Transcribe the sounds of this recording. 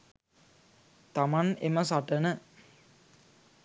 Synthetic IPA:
t̪amaneməs̬aʈənə

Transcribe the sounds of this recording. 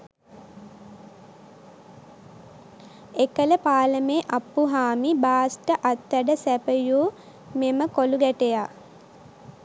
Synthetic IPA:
ekələpaːləmeːʔapːuɦaːmibaːsʈəʔat̪ːæɖəsæpəjuː | meməkoluɡæʈeja

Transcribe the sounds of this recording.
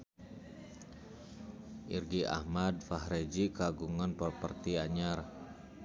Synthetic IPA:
ʔḭrɡiʔa̰hmadfahɾed͡ʒikaɡuŋanpərpərt̪iaɲar

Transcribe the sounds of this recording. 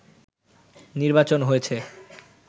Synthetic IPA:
niɾbat͡ɕonɦojet͡ɕʰe

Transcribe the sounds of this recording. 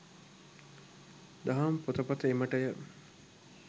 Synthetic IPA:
d̪aɦampot̪əpɐt̪əeməʈəjə

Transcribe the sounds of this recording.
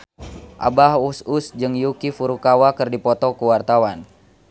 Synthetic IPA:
ʔa̰bahususd͡ʒɨŋjukifuɾukawakɨrdipɔt̪ɔkuwart̪awan

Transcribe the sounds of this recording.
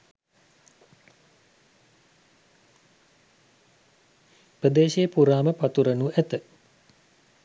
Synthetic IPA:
prəd̪eːʃejəpuɾaːməpat̪uɾənuʔæt̪ə

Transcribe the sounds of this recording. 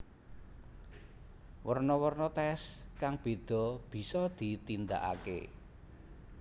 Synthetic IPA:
wərnɔwɔrnɔt̪ɛskaŋb̥e̤d̪̥ɔ̤b̥i̤sɔd̪̥i̤t̪ind̪aʔa̰kḛ

